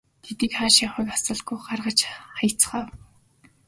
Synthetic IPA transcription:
t̪ʰet̪iːkχaːʃiχʊjkasə̆ɮɡujɢarʁə̆t͡ɕχajʰt͡s̆χaːw

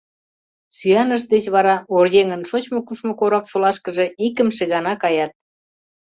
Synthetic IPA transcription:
syɑnəʃd̪et͡ɕβɑɾɑorjeŋənʃot͡ɕmokuʃmokoɾɑksolɑʃkəʒeikəmʃeɣɑnɑkɑjɑt̪̚

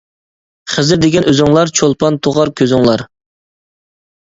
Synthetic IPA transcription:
χəzɪɾd̪eɡʲɛnʔøzɪŋlˠɑɾt͡ʃʰolˠpɑnt̪ʰoʁɑɾkʲʰøzɪŋlˠɑɾ

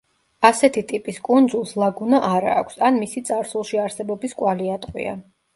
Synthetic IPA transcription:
asɛt̪ʰit̪ʼipʼiskʼund̪zulˠslˠaɡunaʔaɾa̰ːkʷʰsanmisit̪sʼaɾsulˠʃiaɾsɛbɔbiskʼwaliat̪ʼqʼwḭa̰

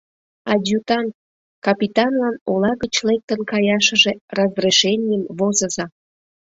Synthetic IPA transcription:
ɑdʲjut̪ɑnt̪̚ | kɑpʲit̪ɑnlɑnolɑɣət͡ɕlek̚t̪ənkɑjɑʃə̆ʒerəzreʃenʲijəmvozəzɑ

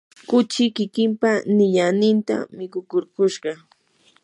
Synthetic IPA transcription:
kʊt͡ʃɪkɪkɪmpanɪʎanɪnt̪a̰mɪkʊkʊɾkʊʃɢɑ

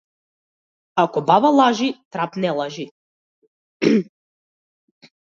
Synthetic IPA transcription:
akɔbavalˠaʒit̪ɾapnɛlˠaʒi

